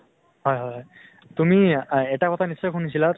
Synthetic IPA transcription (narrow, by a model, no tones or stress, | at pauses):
ɦɔjɦɔjɦɔj | t̪umiɛʈakɔt̪ʰanisɔjxʰunisila